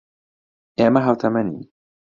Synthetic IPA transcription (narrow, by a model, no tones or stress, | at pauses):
jaːmaɦawt̪ʰamanːi